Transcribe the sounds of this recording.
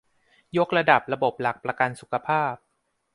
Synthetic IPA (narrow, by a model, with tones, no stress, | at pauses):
jo˦˥k̚ɾa˧da˨˩p̚ɾa˧bo˨˩p̚la˨˩k̚pɾa˧ka˧nsu˨˩kʰa˧pʰaː˥˩p̚